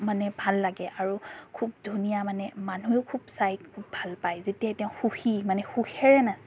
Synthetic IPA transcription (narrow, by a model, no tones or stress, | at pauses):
manɛbʱalːaɡɛʔaɹukʰub̚dʱunijamanɛmanujɛʊkʰubsajkʰːubːʱalpajzetiatɛʊ̃xuximanɛxuxɛɹɛnas